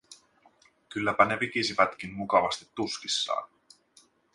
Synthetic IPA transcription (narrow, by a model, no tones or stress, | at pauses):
kylːæpæne̞ʋik̟isiʋæt̪k̟inmukɑʋɑst̪i̥t̪ːuskisːɑ̰ːn